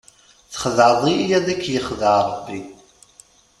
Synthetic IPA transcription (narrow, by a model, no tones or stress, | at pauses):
θχðaðˤijæðækʰːjəχðaʕɾˤəbːi